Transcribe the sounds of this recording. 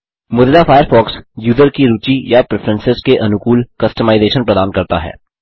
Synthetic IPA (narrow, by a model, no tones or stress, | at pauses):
mʊd̪lafʰaːjəɾfɔːksjuːzəɾkiɾuːt͡ʃijapɾɪfʰəɾə̃nsɪzkeʔɐnʊkuːlkɐsʈəmaːɪzeːʃənpɾɐd̪aːnkɐɾt̪a̰ɦɛ̰ː